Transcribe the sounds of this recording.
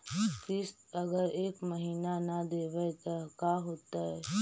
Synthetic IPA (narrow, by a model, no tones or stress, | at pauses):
kɪs | ɐɡəɾeːkməɦiːnanad̪eːʋət̪ɐkaɦoːt̪aɦɛː